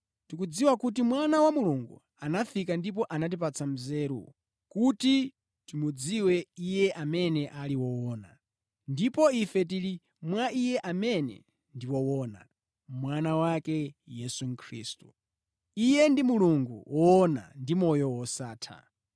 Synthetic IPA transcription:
tikud͡ziwakut̬imwanawamuluŋɡṵ | anafikandip̬ɔʔanat̬ip̬at͡sam̩zɛɾṵ | kuti | timud͡ziwɛijɛʔamɛnɛʔaliwɔwɔːna̰ | ndipɔifɛt̬iɾi | mwaijɛʔamɛnɛ̰ | ndiwɔwɔːna̰ | mwanawakɛjɛsuŋ̩kʰɾiːstu | ijɛndimuluŋɡṵwɔɔna̰ndimɔjɔwɔsaːtʰa̰

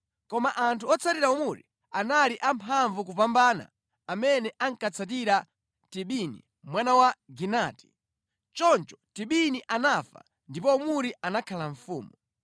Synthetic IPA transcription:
kɔmaʔantʰuɔt͡sʰatiɾaumuɾḭ | analiʔampʰaɱvuk̬upambana̰ː | mɛnɛʔaŋkat͡sʰat̬iɾa | tiɓinḭ | mwanawaɡinaːti̥ | t͡ʃɔnt͡ʃɔ̥tiɓiniʔanafa̰ | ndipɔumuɾiʔanakʰalaɱfuːmu

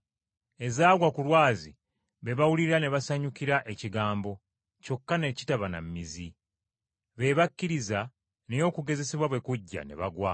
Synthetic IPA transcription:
e̞zaːɡwakulwaːzi | βe̞βawuliɾane̞βasaɲukiɾaʔe̞ciɡaːmbo̞ | co̞kːane̞ci̥taβana̰mːizi | βe̞ːβakːiɾiza | nejo̞ːkuɡe̞ze̞siβwaβwe̞kuɟːa̰ne̞̰βaɡwa

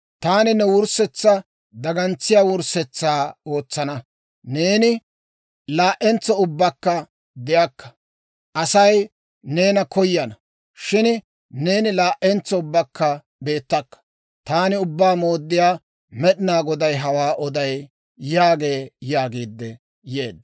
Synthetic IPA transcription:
t̪aːnɪnɛwʊɾsɛt͡sːɐ | d̪ɐɡɐnt͡sːɪjaːwʊɾsɛt͡sːaːo̞ːt͡sːɐnɐ | ne̞ːnɪ | laːʔɛnt͡sɔʊbːɐkːɐ | d̪ɪjakːɐ̥ | ʔɐsɐj | ne̞ːnɐkɔjːɐnɐ | ʃɪn | ne̞ːnɪlaːʔɛnt͡sːɔʊbːɐkːɐ | be̞ːt̪ːɐkːɐ̥ | t̪aːnɪʊbːaːmo̞ːd̪ːɪjaː | mɛɗɪnaːɡɔd̪ɐjɦɐwaːʔɔd̪ɐj | jaːɡe̞ːjaːɡiːd̪ːɛ | je̞ːd̪ːɐ

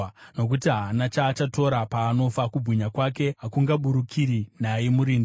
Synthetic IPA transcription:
no̞k̬utiɦaːnat͡ʃaːt͡ʃato̞ɾapaːno̞fakubwiɲakwake̞ɦakuŋɡaɓuɾukʰiɾinajemuɾiːn

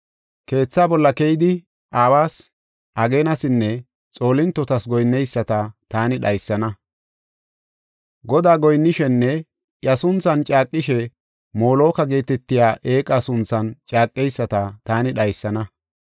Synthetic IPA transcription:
ke̞ːt͡sːaːbɔlːɐkejd̪ɪ | ʔaːwaːs | ʔɐɡeːnɐsɪnːɛ | t͡sʼo̞ːlɪnt̪ːɔt̪ɐsɡɔjnːɛjsːɐt̪ɐt̪aːnɪɗɐjsːɐnɐ | ɡɔd̪aːɡɔjnːɪʃɛnːɛ | jɐsʊnt͡sːɐnt͡ʃʼaːkʼːɪʃɛ | mo̞ːlo̞ːkɐɡe̞ːt̪ɛt̪ːɪjaːʔe̞ːkʼɐsʊnt͡sːɐnt͡ʃʼaːkʼːɛjsːɐt̪ɐt̪aːnɪɗɐjsːɐnɐ

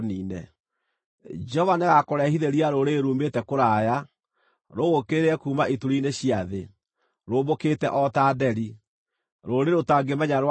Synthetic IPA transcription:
niːnɛ | d͡ʒɛɔvaneɣakoɾɛhiðeɾiaɾoɾeɾuːmetɛkoɾaːja | ɾoɣokeɾeɛkuːmaituɾineɕiaðe | ɾoːbokeːtɛʔɔtaːdɛɾi | ɾoɾeɾotaːɡemɛɲaɾw

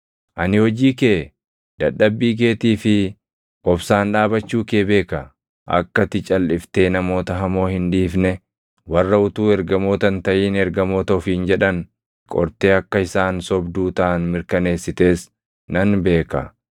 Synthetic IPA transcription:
ʔɐnɪhɔd͡ʒiːkeː | d̪̥ɐɗːɐbːiːk̬e̞ːt̪iːfɪ | ʔɔbsaːnᶑaːbɐt͡ʃːuːkeːbe̞ːkɐ | ʔɐ̰kːɐt̪ɪt͡ʃʼɐlːɪft̪e̞ːnɐmo̞ːt̪ɐɦɐmo̞ːhɪnᶑiːfnɛ | wɐrːɐʊt̪uːɛɾɡɐmo̞ːt̪ɐnt̪ɐʔiːnɛɾɡɐmo̞ːt̪ɐʊfiːnd͡ʒɛᶑɐn | kʼɔ̰ɾt̪e̞ːɐkːɐɪsaːnsɔbd̪uːt̪ɐʔɐnmɪɾkɐne̞ːsːɪt̪e̞ːs | nɐnbe̞ːkɐ̰

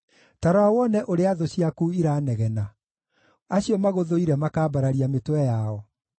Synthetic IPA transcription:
taɾawawɔnɛʔoɾeaðoɕiakuiɾaːnɛɣɛna | aɕiɔmaɣoðoiɾɛmakaːbaɾaɾiametwɛjaɔ

